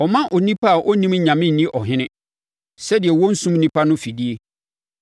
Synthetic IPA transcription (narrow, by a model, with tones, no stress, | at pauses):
ɔ˨mã˦ʔɔ˨nĩ˦pʰa˦a˨ʔɔ˦nĩ˦mɲã˨mɪ̃˦n̩˨nĩ˦ʔɔ˨ɦɪ̃˦nɪ̃˦ | sɛ˦dɪ˨ɛ˨wɔ˦n̩˦sũ˦m˦nĩ˦pa˦nʊ̃˦fi˨di˦e˦